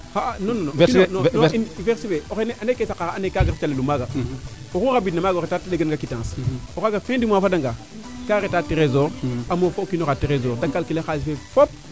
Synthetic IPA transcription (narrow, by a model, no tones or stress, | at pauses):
hanonononoveɾsifeoxeneʔanekesakaanekaɡaft͡ʃalelumaɡa | okuxabidnamaɡaoɣetateɗeɡanɡakitãnsokaɡafẽndimafadaŋɡa | kaɾetateɾezoɾamofokinoɣateɾezoɾdakːalkilexaːsifefop̚